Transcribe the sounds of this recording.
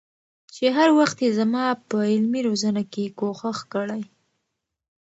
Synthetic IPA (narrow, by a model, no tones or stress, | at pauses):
t͡ʃeɦaɾwaxt̪jezamɑpəɪlmiɾozanakekoxaxkəɽaj